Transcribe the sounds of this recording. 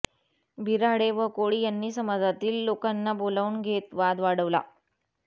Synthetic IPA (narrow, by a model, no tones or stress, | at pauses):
bʱiɾaɽeʋəkoɽiːjanːiːsəmad͡zat̪iːlːokanːabolaunɡʱet̪ʋad̪ʋaɽəʋla̰